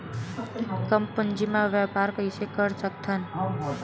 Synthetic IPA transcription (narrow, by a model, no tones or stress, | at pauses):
kəmpənd͡ʒimãʋjapaɾkəisekəɾsək̚t̪ʰən